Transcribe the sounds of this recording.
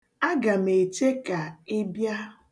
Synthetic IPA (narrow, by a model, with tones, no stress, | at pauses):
a˦ɡa˨me˨t͡ʃe˦ka˨e˦bja˦